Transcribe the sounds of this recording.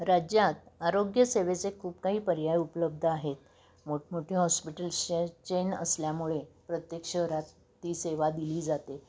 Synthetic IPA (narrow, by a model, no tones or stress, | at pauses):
ɾad͡ʑjat̪̚aɾoɡjəseʋet͡sekʰuːpkaɦiːpəɾjajupələb̚d̪ʱəaɦet̪̚ | moʈmoʈʰiːɦɔspiʈəlɕt͡ɕenə̰sljamuɭepɾət̪jekʂəɦɾat̪ː | iːseʋad̪iliːd͡zat̪e